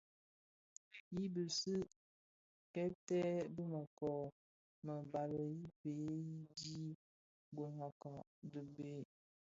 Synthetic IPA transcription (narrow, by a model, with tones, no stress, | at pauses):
ji˦bə˨sɨ˦ | kɛ˦tɛ˦bə˦mə˨kɔ˨ | mə˨ba˨lə˨ji˦pe˨˦ji˦di˦ | ɡo˨ŋa˨ka˨ | də˨be˨˦˨